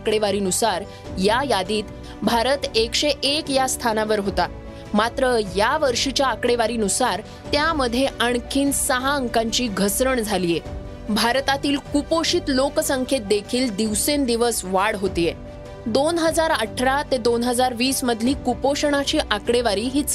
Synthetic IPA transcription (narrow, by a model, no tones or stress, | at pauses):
kɽeʋaɾiːnusaɾ | jajad̪iːt̪ | bʱaɾət̪ekɕeʔekjast̪ʰanaʋəɾɦot̪a | mat̪ɾəjaʋəɾʂit͡ɕjaːkɽeʋaɾiːnusaɾ | t̪jaməd̪ʱːjeʔəɳkʰiːnsəɦaəŋkãɲt͡ɕiːɡʱəsɾəɳd͡zʱalije | bʱaɾt̪at̪iːlkupoɕiːt̪loksəŋkʰet̪̚d̪ekʰiːld̪iʋsend̪iʋəsʋaɽɦot̪ije | d̪onɦəd͡zaɾəʈʰːəɾat̪ed̪onɦəd͡zaɾʋiːsməd̪ʱliːkupoɕəɳ̃at͡ɕiːʔakɽeʋaɾiːɦiːt͡s